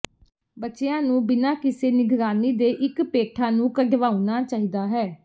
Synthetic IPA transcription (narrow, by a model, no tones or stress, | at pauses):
bətːʃeãːnũːbɪnãːkɪseːnɪɡɾaːniːd̪eːʔɪkpeːʈʰaːnũːkəɡʋaːunaːt͡ʃaːɦiːd̪aːɦɛː